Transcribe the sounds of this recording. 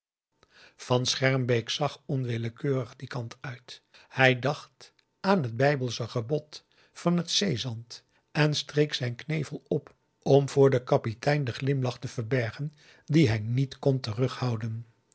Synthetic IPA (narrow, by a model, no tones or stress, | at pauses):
v̥ɑnsχɛɹmbejksɑχɔnʋɪləkøːrəχdikɑntœɥt | hɛjdɑχt | aːnɦəd̚bɛjbəlˠsəχəbɔt | fɑnɦətsejzɑnt | ɛnstrejksɛjnknejvəlˠɔp | ɔmv̥ʊːɹdəkɑpitɛjndəχlɪmlɑχtəv̥əɹbɛɹχən | diɦɛjnitkɔntərɵχhɑwdən